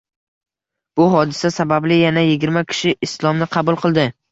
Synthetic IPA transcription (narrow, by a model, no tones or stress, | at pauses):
b̥ʊɦɒd̪ɪsasabablɪjanajɪɡʲɪɾmakʲʰɪ̥ʃɪʔɪslˠɒmnɪqʰɑbʊlˠqʰɨlˠd̪ɪ